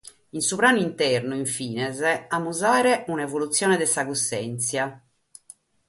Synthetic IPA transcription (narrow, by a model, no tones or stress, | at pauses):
insupɾaːnuint̪ɛrnuiɱfiːnɛzɛamːuzaːɾɛunaevolut̪sːjɔːnɛd̪ɛsaɣusːɛnt̪sja